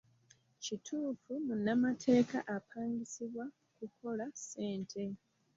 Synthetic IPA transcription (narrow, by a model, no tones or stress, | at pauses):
citʰuːfumunːamatʰe̞ːkaʔapʰaːŋɡisiβwa | kuko̞lase̞ːntʰe̞